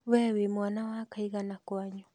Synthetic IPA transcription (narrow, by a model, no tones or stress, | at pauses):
wɛwemwanawakaiɣanakwaɲɔ